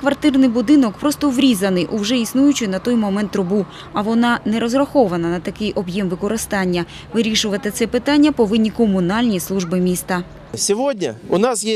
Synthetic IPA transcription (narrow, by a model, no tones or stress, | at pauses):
kʋɐrt̪ɪrnɪjbʊd̪ɪnɔkpɾɔst̪ɔʋɾʲizɐnɪjʔuwʒɛisnujʊt͡ʃɪnɐt̪ɔjmɔmɛnt̪ːɾʊbu | ɐʋɔnɑnɛɾɔzrɐxɔʋɐnɐnɐt̪ɐkɪjɔbjɛmʋɪkɔɾɪst̪ɑnʲːɐ | ʋɪɾʲiʃʊʋɐt̪ɪt̪sɛpɪt̪ɑnʲːɐpɔʋɪnʲːikɔmʊnɑlʲnʲislˠuʒbɪmʲist̪ɐ | sʲiʋodʲnʲɐ̰ʊnɑsje